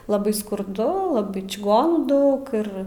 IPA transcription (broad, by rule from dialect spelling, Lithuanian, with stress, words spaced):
lˠɐˈbɐɪ skʊrˈdʊ lˠɐˈbɐɪ t͡ʃʲɪˈɡoːnuː ˈdɐʊk ˈɪr